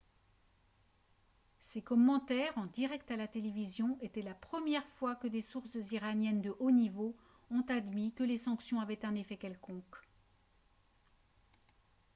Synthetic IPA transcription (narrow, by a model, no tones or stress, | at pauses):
sekɔmːɑ̃t̪ɛʁɑ̃d̪iʁɛkt̪alat̪elevizjɔ̃et̪ɛlapχəmjɛʁfwakəd̪esuʁsziʁanjɛnd̪əʔonivo | ɔ̃t̪ad̪mikəlesɑ̃ksjɔ̃avɛt̪ɛ̃nefɛkʲɛlkɔ̃k